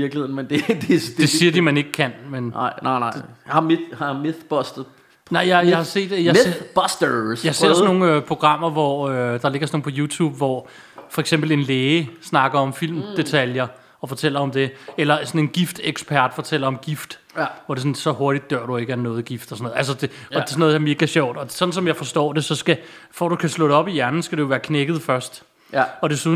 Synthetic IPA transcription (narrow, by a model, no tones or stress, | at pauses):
iɐɡ̥lihḛn̩mend̥ed̥ed̥d̥e̝siːɐdimæne̝ɡ̥əkʰænmenɪ̰nɪnɑɪ̰hɑmehɑmeθb̥ɔsd̥ | nɑ̈ɪ̰jɑjahɑ̈se̝̰ːd̥jab̥ɒsd̥əsjɑ̈se̝ɐ̰sno̝ːŋ̩øpʰo̝ɡ̥ʁɑ̈m̰ɐʋɒød̥ɑ̈le̝ɡ̥ɐsɒno̝ːŋ̩n̩pʰɒ̽juːt͡sʰṵːb̥ʋɒ | fɒ̽eɡ̥semb̥l̩e̝nleːsnɑ̈ɡ̥ɐɒ̽mfil̰md̥e̝t͡sʰæljɐ | ɒ̽fɒ̽t͡sʰel̰ɐɒ̽md̥e̝elɐsɒ̽ne̝nɡ̥ifd̥eɡ̥spʰæɐ̰d̥fɒ̽t͡sʰel̰ɐɒ̽mɡ̥ifd̥ | ʋɒd̥e̝sɔ̽nsɒ̽ho̝ɐɾ̥id̥̚ːɶɐ̰ɾ̥ue̝ɡ̥əænːɔ̽ːð̩ˠɡ̥ifd̥ɒsɒnoð̩ˠæls̬ɐd̥eɒ̥e̝sɔnɔːðˠdɑ̈me̝ːɡ̥æɕɒʊ̰d̥ɒ̽sɒ̽n̥n̩sɒ̽mjɑɪfɒ̽sd̥ɒ̰ːd̥e̝sɒ̽sɡ̥æ | fɒ̰d̥ukʰæslɔ̽ɾɒ̽b̥ijæɐnn̩sɡ̥ædɾujo̝ʋæːɐkʰneɡ̥ð̞̩ˠfɶɐsd̥ | ɒ̽d̥e̝su